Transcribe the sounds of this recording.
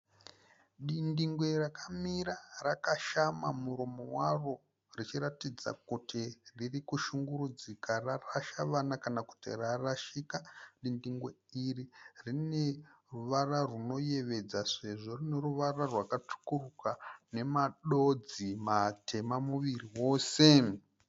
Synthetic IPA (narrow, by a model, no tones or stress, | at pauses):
ɗindiŋɡwe̞rakʰamiɾarakaʃamamuɾomo̞waro | rit͡ʃiɾatid͡za̰kutiririkuʃuŋɡuɾud͡zikararaʃaʋanakanaku̥tḭraraʃiːkaɗindiŋɡwe̞ | iririne̞ | ruʋararuno̞je̞ʋe̞d͡zase̞ʐo̞rine̞ruʋararwakatu̥kurukane̞maɗo̞d͡zimatʰe̞mamuʋiriwo̞ːse̞